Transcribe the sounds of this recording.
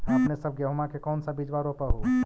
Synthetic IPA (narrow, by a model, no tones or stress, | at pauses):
əpnesəb̚ʱɡjəɦmakekɔːnsabid͡ʒʋaɾopəɦu